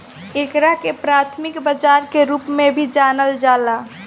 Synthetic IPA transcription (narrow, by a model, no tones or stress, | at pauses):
ekɾakepɾat̪ʰmikbəd͡ʒaɾkeɾupmebʱid͡ʒanəld͡ʒala